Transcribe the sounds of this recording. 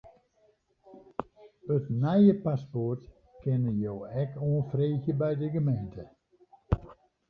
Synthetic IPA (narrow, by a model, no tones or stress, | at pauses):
ətnɛjəpaspɔrt | kɪnəjoːɛkoənfreːxjəbɛjdəɡəmejntʰə